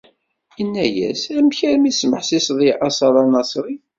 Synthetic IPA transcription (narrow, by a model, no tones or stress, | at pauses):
jənːæjæ̰sæmçæɾmisməħsisðˤiʔɑsˤɑɾˤɑnɑsˤɾi